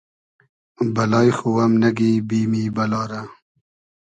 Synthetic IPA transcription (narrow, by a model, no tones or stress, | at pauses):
bɐlɑːjxuwɐmnɐɡibiːmiːbɐlɑːɾa